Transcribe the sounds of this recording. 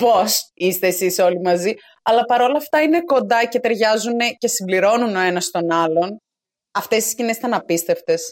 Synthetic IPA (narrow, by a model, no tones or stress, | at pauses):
po̞sist̪eːsiso̞limɐzi | ɐlɐpɐɾo̞lɐːft̪ɐine̞ko̞nd̪ɐce̞t̪e̞ɾʝɐzune̞ce̞simbliɾo̞nuno̞e̞nɐst̪o̞nɐlo̞n | ɐft̪e̞st̪i̥scine̞sit̪ɐnɐpist̪e̞ft̪e̞s